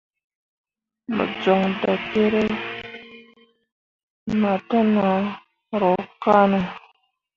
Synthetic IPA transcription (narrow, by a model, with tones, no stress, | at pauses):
mə̰˨d͡zɔ˨ŋda˨te˦ɾe˦ | ma˨ta˦na˨˦ | ɾɔ˨˦ka˦nə˨